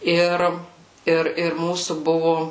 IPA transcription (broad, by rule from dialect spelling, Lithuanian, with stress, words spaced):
ˈɪr ˈɪr ɪr ˈmuːsuː ˈbʊʋʊ